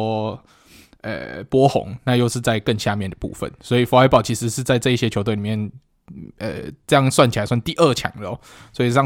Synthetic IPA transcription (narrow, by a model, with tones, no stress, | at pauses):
ə̰˨˩pwɔ˥xʊ̰˧˦ŋna˥˧jo˥˧ʊʂɻ̩˥˧t͡sa˥˧ɪkə˥˧nɕja˥˧mjɛ˥˩nd̪ə˩pṵ˥˧fə̰˨˩nswɔ˧˥i˨˩fo˧˥˧pɑ˨˩ʊt͡ɕʰi˧˥ʂɻ̩˧˥ʂɻ̩˥˧t͡sa˥˧ɪt͡sɤ˥˧i˥˩ɕjɛ˥t͡ɕʰo˧ʊt̪we˥ɪni˨˩mjɛ˥˩n | ə̰˨˩t͡sɤ˥˧jɑ˥˧ŋswa˥˩nt͡ɕi˨a˨˦ɪswa˥˩nt̪i˥˧ʔə˥˩t͡ɕʰjɑ̰˨˩ŋd̪ə˧˩ɔ˨˦ | swɔ˧˥i˨˩ʂɑ˥˨